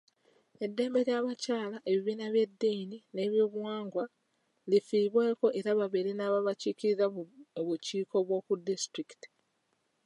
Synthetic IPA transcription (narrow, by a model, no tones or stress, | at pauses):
e̞dːe̞ːmbe̞ɾjaβacaːlaʔe̞βiβiːnaβje̞dːinine̞ːβjoːβuwaːŋɡwa | lifiːβwe̞ːko̞ʔe̞ɾaβaβeɾinaːβaβaciːciɾizaβuciːko̞βwo̞ːkudːistɾiki̥ti̥